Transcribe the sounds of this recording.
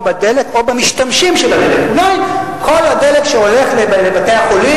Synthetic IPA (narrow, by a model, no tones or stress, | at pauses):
bad̪eleko̞bamiʃt̪amʃimʃelad̪elekbnajkʰo̞lhad̪e̞lekʃeo̞le̞χleblebatejaχoli